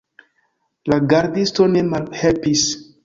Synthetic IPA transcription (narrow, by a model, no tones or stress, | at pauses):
laɡaɾdisto̞ne̞malhelpis